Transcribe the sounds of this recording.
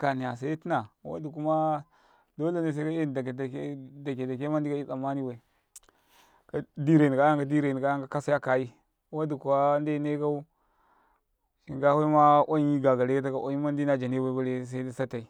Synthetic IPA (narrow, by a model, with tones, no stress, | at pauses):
ka˨ni˨ja˨sa˦i˦ti˦na˨wa̰˦du˨ku˦ma˦ | do˦le˦ne˨s̬a˦ka˦e˦n˨da˨kdda˨ke˨da˨ke˦ma˦n˦di˦ka˦i˦sa˨ma˦ni˦wa˨i˨ | ka˦di˦ɾe˨ni˨ka˦ja˦ŋka˦di˦ɾe˨ni˨ka˨˦ja˦ŋka˦ka˦sa˦ja˦ka˨ji˦ | wa˦du˨ku˨a˦nde˦ne˦ɡa˦u˦ | ʃi˨ŋɡa˦wa˦ma˦ʔo˦ɲ˦i˦ɡa˨ɡa˨le˦ka˦t̬a˦ka˨ʔo˦ɲi˦ma˦ndi˦na˦d͡ʒa˨ne˦ba˦i˦ba˦le˦s̬a˦i˦da˦sa˦ta˨i˨